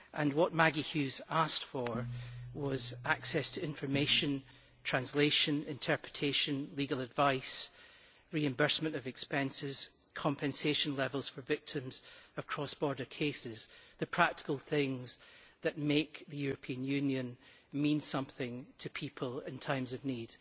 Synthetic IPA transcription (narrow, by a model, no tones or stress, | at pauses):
ʔə̃nwɔʔmaɡihʉzastfə˞wʌzaksɛstʰəɪ̃ɱfə˞meʃə̃n | tʰɹ̥ãnslˠeʃə̃nɪ̃ntʰɜ˞pʰɹ̥ɪtʰeʃə̃nlˠiɡəl̩ˠədvaɪs | ɹiɨ̃mbɜ˞smə̃nəvɨkspɛ̃nsɪz̥ | kʰɔ̃mpʰɨ̃nseʃə̃nlˠɛvəlˠz̥fə˞vɪk̚tʰɪ̃mz̥əv̥kʰɹ̥ɔsb̥ɔɹdə˞kʰesɪz̥ðɨpʰɹ̥ak̚tɪ̥kəlˠθɪ̃ŋzðəʔmekðəjʉɹɨpʰiə̃njʉ̃njə̃nmĩnsʌ̃mθɪ̃ŋtʰəpʰipʰəlˠɪ̃ntʰãɪ̃mzəvnid̥